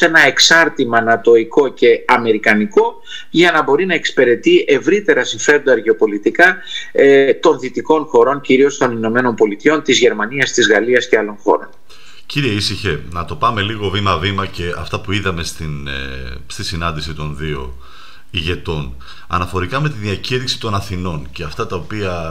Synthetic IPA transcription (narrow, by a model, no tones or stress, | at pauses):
e̞nɐe̞ksɐɾt̪imɐnɐt̪o̞iko̞ce̞ɐme̞ɾikɐniko̞ | ʝɐnɐbo̞ɾinɐe̞kspe̞ɾe̞t̪iʔe̞vɾit̪e̞ɾɐsiɱfe̞ɾond̪oɐɾʝio̞po̞lit̪ikɐ | t̪o̞nθit̪iko̞nxo̞ɾo̞ɲciɾio̞st̪o̞nino̞me̞no̞npo̞lit̪io̞nt̪izʝe̞ɾmɐniɐst̪izɣɐliɐsceɐlo̞nxo̞̰ɾo̞n | ciɾieisiçe̞nɐt̪o̞pɐme̞liɣo̞vimɐvimɐce̞ɐft̪ɐpuiðɐme̞st̪in | st̪isinɐnd̪isit̪o̞nðio̞̰ | iʝe̞t̪o̞n | ɐ̰nɐfo̞ɾikɐme̞t̪iðiɐciɾiksi̥t̪o̞nɐθino̞nceɐft̪ɐt̪ɐopiɐ